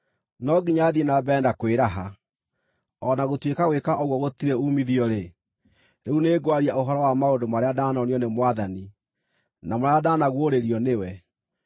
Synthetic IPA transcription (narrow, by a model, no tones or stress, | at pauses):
nɔɡiɲaðienabɛːndakweɾaɦa | ɔnaɣotwekaɣwekaʔɔɣwɔɣotiɾeumiðiɔɾe | ɾeuneːɡwaɾiaʔoɦɔɾɔwamaodomaɾeadaːnɔniɔnemwaðani | namoɾeadaːnaɣwoɾeɾiɔnewɛ